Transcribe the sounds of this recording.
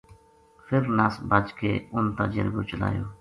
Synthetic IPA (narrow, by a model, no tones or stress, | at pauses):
fʰɪɾnaːsbat͡ʃkeːʊnt̪a̰ːd͡ʒə̰ɾɡoːt͡ʃəla̰ːjoː